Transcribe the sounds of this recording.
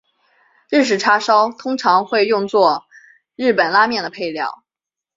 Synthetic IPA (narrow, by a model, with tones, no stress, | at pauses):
ɻ̩˥˩ʂ̬ɻ̩˨˩ʈ͡ʂʰa˥ʂɑ˥ʊt̪ʰʊ˥ŋʈ͡ʂʰɑ˧˥ŋxwe˥˧ɪjʊ˥˧ŋt͡swɔ˥˧ | ɻɻ̩˥˩pə˨˩nla˥mjɛ˥˩nd̪ə˩pʰe˥˧ɪljɑ̰˥˩ʊ